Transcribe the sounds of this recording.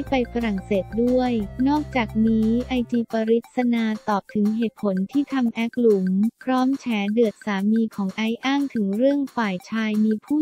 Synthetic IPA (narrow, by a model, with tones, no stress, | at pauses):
pa˧jfa˧ɾa˨˩ŋseː˨˩t̪̚du˥˩əjnɔː˥˩k̚t͡ɕaː˨˩k̚niː˦˥ʔa˧jt̪iː˧pa˧ɾi˦˥t̪̚sa˧naː˧t̪ɔː˨˩p̚t̪ʰɯ˩˦ŋɦeː˨˩t̪̚pʰo˩˦nt̪ʰiː˥˩t̪ʰa˧mʔɛ˦˥k̚lu˩˦mpʰɾɔː˦˥mt͡ɕʰɛː˩˦dɯ˨˩ət̪̚saː˩˦miː˧kʰɔː˩˦ŋʔa˦˥jʔaː˥˩ŋt̪ʰɯ˩˦ŋɾɯ˥˩əŋfaː˨˩jt͡ɕʰaː˧jmiː˧pʰuː˥˩